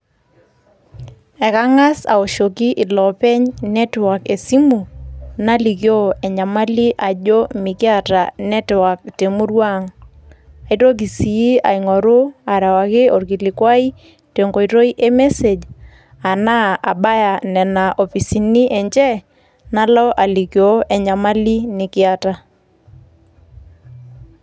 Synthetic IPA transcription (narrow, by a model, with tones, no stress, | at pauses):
ɛ˨ka˦ŋa˦sa̰˨o˨ʃo˨ki˦ʔɪ˨lɔ˨pɛ˦ɲnɛ˦twa˨ke˨si˦mu˨na˦li˨kjo˦ɛ˨ɲa˨ma˦li˦ʔa˨ʄo˦mɪ˨kɪ˦a˦˨ta˨nɛ˦twa˨k̚te˨mu˦ɾwa˦ŋ | a˨i˦to˦k̬i˨si˨ji˦a̰˨iŋɔ˨ɾʊ˦a˨ɾa˨wa˨kɪ˦o˨rki˨lɪ˨kwa˦i˦ | te˨ŋɡo˨jɾo˦i˦ʔe˦mɛ˦se˨d͡ʒ | a˨na˦a˨ɓa˦ja˨nɛ˨na˨ʔɔ˨fi˨si˨ni˦ʔɛ˨ɲt͡ʃɛ˦ | na˦lɔ˦ʔa˨li˨kjo˦ʔɛ˨ɲa˨ma˦li˦nɪ˨kɪ˦a˦ta˨